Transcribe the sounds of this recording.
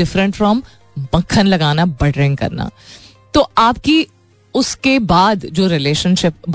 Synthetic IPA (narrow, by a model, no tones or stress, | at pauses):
ɪfɾə̃ɳʈfɾɔm | bɐ̃kʰːənlɐɡaːnabɐɖɾɪ̃ŋɡkɐ̰ɾna̰ː | t̪oːaːpki | ʊskebaːd̪d͡ʒoːɾɪleːʃə̃nʃɪp̚b